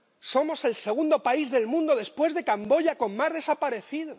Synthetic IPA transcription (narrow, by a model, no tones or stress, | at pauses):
so̞mo̞se̞lse̞ɣ̞und̪o̞paizðe̞lmũnd̪o̞ðe̞spwe̞zðekambo̞ʝako̞mmazðe̞sapaɾe̞θiðo